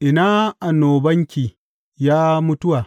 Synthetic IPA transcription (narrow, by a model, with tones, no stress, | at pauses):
ʔɪ˨naː˦ʔa˨noː˨bɐ˦ŋkʲiː˨ | jaː˦mʊ˦tʊ˦waː˨